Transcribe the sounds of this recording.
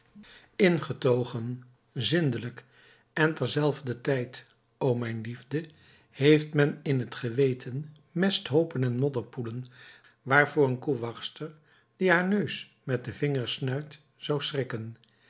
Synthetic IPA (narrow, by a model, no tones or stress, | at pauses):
ɪnχətowχən | zɪndələk | ɛntɛɹzɛlˠvdətɛjt | owmɛjnlivdə | hejftmɛnɪnɦətχəʋejtʰən | mɛstɦowpənɛnmɔdəɹpulən | ʋaːɹvʊːɹənkuʋɑχstəɹ | d̥iɦaːɹnøɥs | mɛt̚dəvɪŋəɹsnœɥt | z̥ɑwsrɪkən